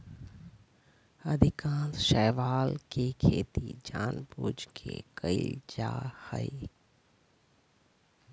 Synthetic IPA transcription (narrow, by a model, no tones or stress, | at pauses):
ɐd̪ʱɪkãːzʃɛːʋaːlkekʰeːt̪id͡ʒaːnbuːd͡ʒkʰḛkəid͡ʒa̰ːhə̰i